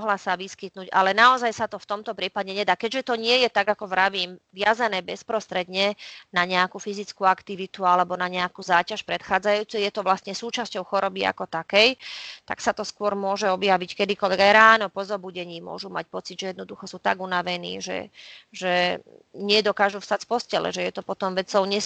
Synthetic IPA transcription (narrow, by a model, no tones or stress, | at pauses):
ɔɦlasaʋiskit̪nuːɟa̰lɛnaɔzajsat̪ɔft̪ɔmt̪ɔpɾiːpaɟɛɲɛd̪aːkɛɟʒɛt̪ɔɲɪɛjɛt̪aɡakɔʋɾaʋiːmʋɪazanɛːbɛspɾɔst̪ɾɛd̪ɲɛnaɲɛakufizit͡skuakt̪iʋit̪ualɛbɔnaɲɛakuzaːcaʃpɾɛt̪xaːd͡zajuːt͡sujjɛt̪ɔʋlast̪ɲɛsuːt͡ʃascɔʊxɔɾɔbia̰kɔt̪akɛjt̪aksat̪ɔskʊɔɾmʊɔʒɛɔbjaʋickɛd̪ikɔlʋɛɡajɾaːnɔpɔzɔbuɟɛɲiːmʊɔ̰ʒuma̰cpɔt͡sid̪ʒɛjɛd̪nɔd̪uxɔsuːt̪aɡunaʋɛnḭːʒɛ̰ʒɛ | ɲɪɛd̪ɔkaːʒufst̪acfpɔscɛlɛ̰ʒɛjɛt̪ɔpɔt̪ɔmʋɛt͡sɔʊɲɛ